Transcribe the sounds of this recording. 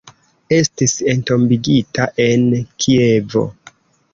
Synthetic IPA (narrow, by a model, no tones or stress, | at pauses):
e̞stise̞nto̞mbiɡitaʔe̞nkʰie̞vo̞̰